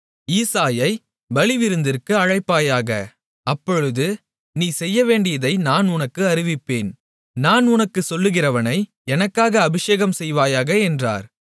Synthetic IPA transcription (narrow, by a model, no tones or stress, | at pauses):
iːsaːjɐɪ | ʋɐɭɪʋɪɾɯnd̪ɪɾkɯɐɻɐɪpːaːjaːɣɐ̰ | ɐpːɔɻɯðɯ | niːsɛjːɐʋeːɳɖɪjɐðɐɪnaːnʊnɐkːɯɐɾɪʋɪpːeːn | naːnʊnɐkːɯsɔlːɯɣɪrɐʋɐnɐɪ | ɛnɐkːaːɣɐːbɪʂeːɣɐmsɛjʋaːjaːɣɐɛndra̰ːɾ